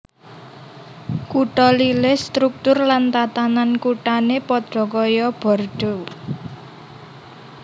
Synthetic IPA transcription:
kuʈɔlilɪhst̪ɾuk̚t̪ʊrlant̪at̪anankuʈanepɔd̪̥rɔ̤kɔjɔb̥ɔ̤rɖ̥o̤

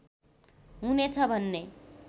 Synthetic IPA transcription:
ɦunet͡sʰʌbʱʌnːe

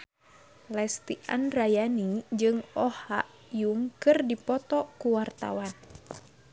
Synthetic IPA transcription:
lɛst̪iʔa̰nrajanid͡ʒɨŋɔha̰ʔ | juŋkɨrdipɔt̪ɔkuwart̪a̰wan

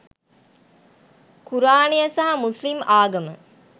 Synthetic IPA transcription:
kuɾaːɳijɐsɐɦɐmuslimaːɡɐmə̰

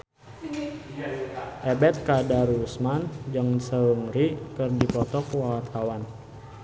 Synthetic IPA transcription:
ʔɛbɛt̪̚kadaɾusmand͡ʒaŋsəuŋɾikɨrdipɔt̪ɔkwawat̪ʰawan

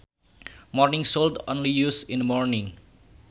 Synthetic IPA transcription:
mɔɾnĩŋsoldõ̰nlijusĩnmɔɾnĩŋ

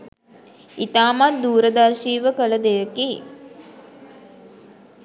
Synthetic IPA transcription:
it̪aːmat̪̚d̪uːɾəd̪arʃiːʋəkələd̪ejəki

